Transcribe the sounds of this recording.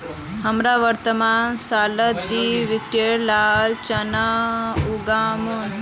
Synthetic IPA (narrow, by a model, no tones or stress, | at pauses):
həmɾaʋəɾt̪əmaːnsalət̪ːiʋikeɾlalt͡ɕənauɡamuːn